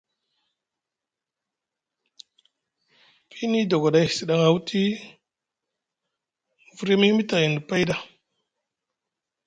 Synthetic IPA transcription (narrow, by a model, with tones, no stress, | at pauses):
pi˦ni˦do˨ɡa˨ɗa˨jsi˨ɗa˨ŋa˨wtʰi˦˨ | vu˨ɾi˦mi˦mi˦ta˨ɣi˨ndi˨pa˦jda˨